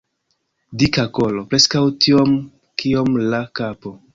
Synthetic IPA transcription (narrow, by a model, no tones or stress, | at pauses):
dikako̞lo̞pɾe̞skawtʰio̞m | kʰio̞mlakapo̞